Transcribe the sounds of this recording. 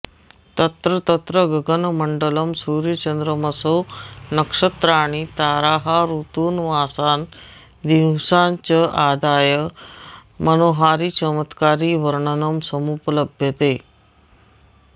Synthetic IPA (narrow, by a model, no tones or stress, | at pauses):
t̪ət̪ɾət̪ət̪ɾəɡəɡənməɳɖələmsuɾjət͡ɕənd̪ɾəməsonəkʂət̪ɾaɽ̃it̪aɾaɦaɾut̪uːnʋasan | d̪iwsãɲt͡ɕəʔad̪ajə | mənoɦaɾiːt͡ɕəmət̪kaɾiːʋəɾɳənəmsəmupələbʱjət̪e